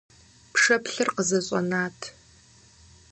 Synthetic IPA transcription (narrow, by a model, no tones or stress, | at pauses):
pʰʂɐpʰɬɨrqəzɐɕʼɔ̰naːtʰ